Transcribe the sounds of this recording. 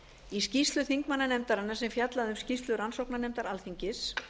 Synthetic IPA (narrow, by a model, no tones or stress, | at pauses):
iscist̪lʏθiŋkmanːanɛmt̪aɾanːasɛmfjat̪laðʏmscist̪lʏɾansowknanɛmt̪aɾalθiɲcɪs